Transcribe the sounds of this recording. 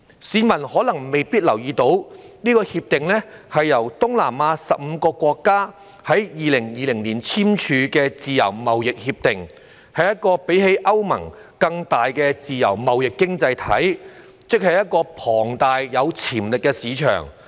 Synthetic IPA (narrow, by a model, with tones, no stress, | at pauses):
siː˨˥mɐ˨˩nhɔː˨˥lɐ˨˩ŋme˨jpiː˥t̚lɐ˨˩wjiː˧t̪o˨˥wniː˥kɔː˧hiː˧p̚t̪ɪ˨ŋnɛ˥hɐ˨jːɐ˨˩wt̪ʊ˥ŋlaː˨˩maː˨˧˥sɐ˨p̚m̩˨˧kɔː˧kʷɔː˧kːaː˥ | hɐ˨˥jjiː˨˧lɪ˨˩ŋjiː˨˧lɪ˨˩ŋliː˨˩nt͡sʰiː˥mt͡ʃʰyː˨˧kɛː˧t͡siː˨jɐ̰˨˩wmɐ˨wjɪ˨k̚hiː˧p̚t̪ɪ˨ŋ | hɐ˨jːɐ˥t̚kɔː˧pe˨˥jɦe˧˥jʔɐ˥wmɐ̰˨˩ŋ | kɐ˧ŋt̪aː˨jkɛː˧t͡siː˨jɐ̰˨˩wmɐ˨wjɪ˨kːɪ˥ŋt͡sɐ˧jt̪ʰɐ̰˨˥j | t͡sɪ˥k̚hɐ˨jɐ˥t̚kɔː˧pʰɔː˨˩ŋt̪aː˨jjɐ˨˧wt͡sʰiː˨˩mlɪ˨kːɛ˧siː˨˧t͡ʃʰœ̰ː˨˩ŋ